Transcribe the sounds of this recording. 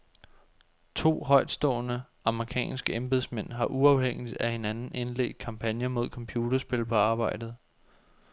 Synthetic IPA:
t͡sʰo̝̰ːɦɒ̽ɪ̰d̥sd̥ɔ̰̽ːnə | ɑ̈məʁikʰɛ̰ːnsɡ̥əemb̥e̝ð̰ˠsmen̰ɦɑ̈ʔuɑ̈ʊɦeŋ̰id̥æhe̝nænn̩e̝nlḛɡ̥d̥̚kʰɑ̈mpʰænjɐmo̝ð̞̰ˠkʰɒ̽mpʰjuːd̥ɐsb̥e̝lpʰɒ̽ɑ̈ːb̥ɑ̈ɪ̰d̥ð̩ˠ

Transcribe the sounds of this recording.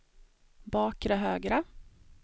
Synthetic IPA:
bɑːkɾəɦøːɡɾə

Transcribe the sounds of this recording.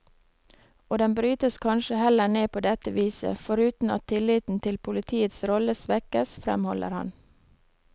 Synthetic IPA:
oːd̪ɛnbɾyːt̪əskʰɑnʃəhɛləɳeːpʰoːd̪ɛt̪əʋiːsə̰fɔɾʉːt̪n̩ɑ̰t̪ʰːɪlɪt̪n̩t̪ʰɪlpʰʊlɪt̪ʰiːət̪sɾɔləsʋɛkəsfɾɛ̰mhɔlə̰ɾhɑ̰n

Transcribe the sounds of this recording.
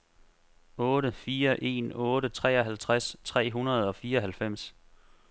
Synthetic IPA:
ɔ̽ːɾəfiːɐʔe̝̰ːnɔ̽ːɾət͡sʰʁɛ̰ːɒ̽ɦælt͡sʰʁast͡sʰʁɛ̰ːɦunɐð̞̩ˠɒ̽fiːɐɒɦælfem̰s

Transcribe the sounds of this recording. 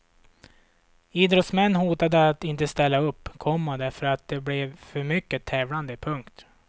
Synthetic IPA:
iːd̪ɾɔt̪smɛnːhuːt̪ad̪əat̪ɪnt̪əst̪ɛlːaɵpːkʰɔmːad̪æɾfœɾat̪̚d̪ɛblɛvfœɾmʏkːət̪ʰɛːvland̪əpʰɵŋkt̪

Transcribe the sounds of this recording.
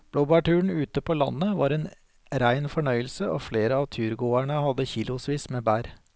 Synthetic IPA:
b̥ɽɔbɑʈʉːɳ̩ʉːt̪əpʰoːlɑnːəʋɑːɾeːn | ɾæɪnfɔɳœʏəlsəo̰ːfleːɾəɑːʋt̪ʰyːɾɡoːæɳəhɑd̪ːəçiːlʊsʋiːsmeːbæːɾ

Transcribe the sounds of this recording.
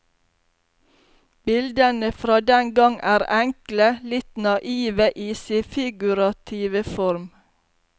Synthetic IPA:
b̥ɪld̪ənəfɾɑːd̪ɛnɡɑŋʔæːɾæŋkləlɪt̪nɑʔiːʋəʔiːsɪfɪɡʉɾɑt̪ʰiːʋəfɔɾm

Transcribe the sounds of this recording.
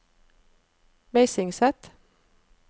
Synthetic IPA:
meɪsɪŋsɛt̪

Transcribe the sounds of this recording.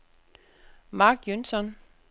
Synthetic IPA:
mɑ̈ːɡ̥jønsɒn

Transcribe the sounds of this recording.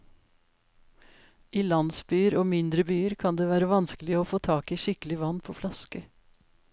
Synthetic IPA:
iːlɑnsbyːəɾoːmɪnd̪ɾəbyːəɾkʰɑnd̪eːʋæːɾəʋɑnskəlɪəoːfoːt̪ʰɑːkiːʃɪkəlɪʋɑnpʰoːflɑskə

